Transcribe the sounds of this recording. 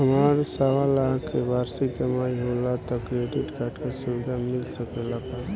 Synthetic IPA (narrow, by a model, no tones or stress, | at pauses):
ɦəmaɾsaʋalaɦkʰːebaɾsikəmajɦolat̪ɔkɾeɖiʈkaʈkasubid̪amilsəkelap̪a